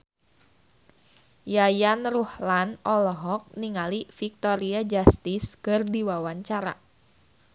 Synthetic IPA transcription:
jajanruhlanɔlɔɦɔk̚niŋalifik̚t̪oɾiad͡ʒast̪ɪskɨrdiwawaɲt͡ʃaɾa̰

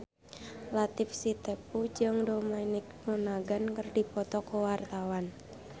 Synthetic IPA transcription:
lat̪ɪfsit̪epud͡ʒɨŋdomɛnɪk̚nunaɡankərdipɔt̪ɔkɔwart̪awan

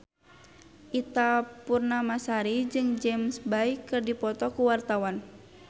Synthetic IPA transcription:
ʔit̪apurnamasaɾid͡ʒɨŋd͡ʒɛmsbaikɨrdipɔt̪ɔkuwart̪awan

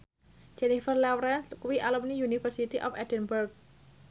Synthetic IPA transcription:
d͡ʒ̥ɛnifərlɛwɾɛnskuwiʔalumnijunifərsit̪iʔɔ̰fɛdənburk̚

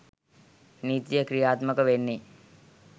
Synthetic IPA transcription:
niːt̪ijəkɾijaːt̪məkəʋenːi

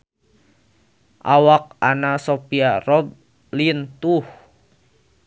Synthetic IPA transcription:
ʔawak̚anasopiarɔb̚ | lint̪uh

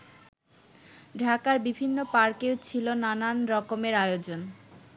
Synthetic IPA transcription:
ɖʱakaɾbibʱinːopaɾkewt͡ɕʰilonananɾɔkomeɾajod͡ʑon

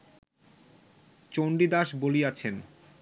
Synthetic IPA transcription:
t͡ɕoɳɖid̪aʃboliat͡ɕʰen

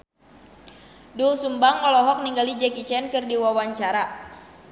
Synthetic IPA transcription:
dusumbaŋːɔlɔɦɔk̚niŋɡalid͡ʒɛkit͡ʃɛnkɨrdiwawaɲt͡ʃaɾa

